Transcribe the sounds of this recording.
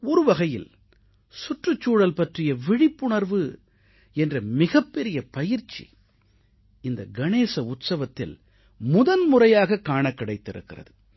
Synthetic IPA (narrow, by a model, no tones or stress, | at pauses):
ɔɾɯʋɐɣɐjɪ̰l | sʊʈrɯt͡ʃːuːɽɐlpɐʈrɪjɐʋɪɽɪpːʊɳɐɾʋɯ | ɛndrɐmɪɣɐpːɛɾɪjɐpɐjɪɾt͡ʃːḭ | ɪnd̪ɐɡɐneːsɐʊt̪sɐʋɐt̪ːɪ̰l | mʊðɐnmʊrɐjaːɣɐkːaːɳɐkːɪɽɐɪt̪ːɪɾɯ̰kːɪrɐ̰ðɯ